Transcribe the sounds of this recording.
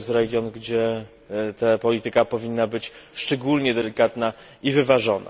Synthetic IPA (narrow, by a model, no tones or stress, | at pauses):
st̪ɾɛɡʲjɔnɡd͡ʑɛ | t̪apɔlʲit̪ɘkapɔvʲinːabɘt͡ɕʂt͡ʂɛɡulɲɛd̪ɛlʲikat̪na | ivɘvaʐɔna̰